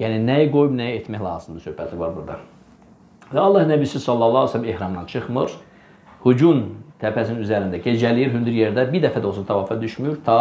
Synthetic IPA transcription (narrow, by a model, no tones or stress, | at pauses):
jæːninæjæɡo̞jubnæjæet̪mæçlˠɑ̰ːzɯmd̪ɑsøhpæt̪livɑɾbuɾd̪ɑ | vɛɑlˠːɑhnæbisyzsɑlˠːɑlˠːɑːsælːimehɾɑmd̪ɑnt͡ʃʰɯχmɯɾ | hud͡ʒunt̪ʰæpʰæsininyzæɾind̪æɟe̞d͡ʒælijiɾɦynd̪yɾjeɾd̪æbiɾd̪æfæd̪olˠsut̪ʰvɑːfɑd̪yʃmyjyɾt̪ʰɑ